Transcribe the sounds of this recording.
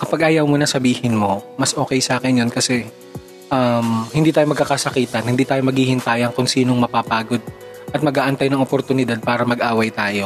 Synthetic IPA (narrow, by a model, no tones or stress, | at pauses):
kɐpɐɡʔaːjɐwmonɐsɐbiːhɪnmo̞mɐsʔo̞ːkɛjsʔaːkɛnjonkɐsɛ | ʔɐmhɪnd̪iːt̪aːjomɐɡkːɐkasɐkiːt̪ɐnhɪnd̪iːt̪aːjomɐɡiːhɪnt̪aːjoɐŋkʊnsiːnoŋmɐpapaːɡo̞d̪̚ | ʔɐt̪̚mɐɡaːʔɐnt̪ajnɐŋopoɾt̪ʊnɪd̪ad̪̚paːɾɐmɐɡʔaːwɐjt̪aːjo̞